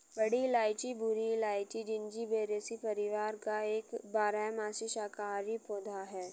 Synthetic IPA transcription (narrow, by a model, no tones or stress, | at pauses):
bɐɽilaːɪt͡ʃibʱʊɾilaːɪt͡ʃid͡ʒɪ̃nd͡ʒibeːɾeːsipɐɾɪʋaːɾkaeːkbaːɾaːjmaːsiʃaːkaːɾipoːd̪ʱaɦɛː